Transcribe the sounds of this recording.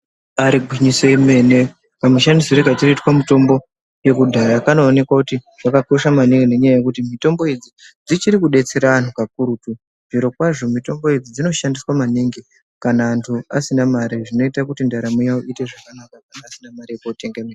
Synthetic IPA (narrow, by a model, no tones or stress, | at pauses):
aɾiɡʱiɲisoeme̞ne | kamuʃandisoɾeɡʱatiroitwamito̞mbo̞ | je̞kudʱaɾakano̞ːne̞kwakuti | ʐakakoʃamaneŋɡene̞ɲajaje̞kutimito̞mbo̞ed͡zi | d͡zit͡ʃiɾikuɗe̞t͡se̞ɾaan̤ukakuɾutu | ʐ̥iɾo̞kwaʐo̞mito̞mbo̞ed͡zid͡zino̞ʃandiswamaneŋɡe | kanaːntʰua̰sinamaɾiʐino̞itakutindaɾamujaoʔite̞ʐakanakakanaːsinamaɾijekuote̞ŋɡamea